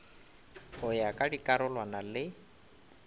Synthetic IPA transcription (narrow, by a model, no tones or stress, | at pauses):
hʊjakʼadikʼaɾʊlwanalɪ